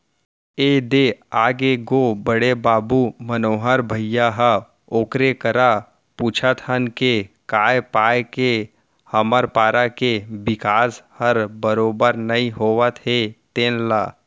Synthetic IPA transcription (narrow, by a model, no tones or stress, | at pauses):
eːd̪eaːɡeɡobəɽebaːbumənoːɦəɾbʱəjjaɦə | oːkɾekəɾa | puːt͡ʃʰət̪hənkekaːjpaːjke | həməɾpaːɾakebɪkaːshəɾbəɾoːbəɾnɐĩɦoːʋət̪ɦet̪eːnlaː